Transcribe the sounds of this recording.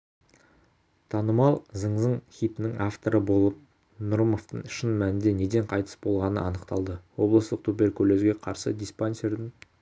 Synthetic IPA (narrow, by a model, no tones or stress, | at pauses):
t̪ʰɑnəmɑlˠzəɴzəɴχʲijt̪ɪnɪŋaft̪o̞ɾəbo̞lˠəp̚ | nʊɾmoft̪əɴʃənmænɪnd̪e̞ne̞d̪e̞ɴqʰɑjt̪ə̥sbo̞lˠʁɑnə̰ɑnəqt̪ɑlˠd̪əwo̞blˠəst̪əq̚t̪ʰupe̞ɾkʲʰɵle̞zɡʲe̞qʰɑɾsəd̪ijsponsʲe̞ɾd̪ɪŋ